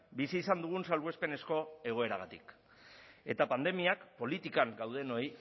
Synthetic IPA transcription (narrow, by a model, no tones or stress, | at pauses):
bisiːsand̪uɣ̞unsalβue̞spe̞ne̞sko̞e̞ɣ̞o̞e̞ɾaɣat̪ḭk | e̞̰t̪apand̪e̞miakpo̞lit̪ikaŋɡawð̞e̞no̞j